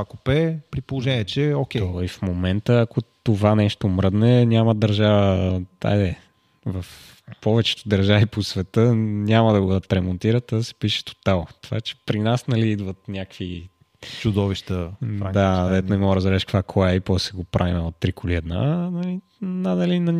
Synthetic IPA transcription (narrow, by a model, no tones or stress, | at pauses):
akopɛpɾipolˠoʒɛniɛt͡ʃɛokʲɛɔifmomɛnt̪əːkot̪ovanɛʃt̪omɾɤd̪nɛnʲaməd̪ɐɾʒavəd̪a̰jd̪ɛ | vɐf | pɔvɛt͡ʃɛ̥t̪o̥d̪ɐɾʒaviposvɛt̪ənʲaməd̪ɐɡoɐt̪ɾɛmont̪iɾət̪ːad̪ɐsɛ̥piʃɛ̥t̪o̥t̪alˠt̪ova̰t͡ʃɛ̥pɾinasnɐliid̪vət̪nʲakvi | t͡ʃʊd̪ɔviʃt̪əad̪ad̪ɛt̪onɛmɔɡɾəzbɛɾɛʃkk̪vakʰoaɛipɔsɛɡopɾʔavinəot̪ːɾikoliɛd̪na̰nɐli | nnɐlinɐ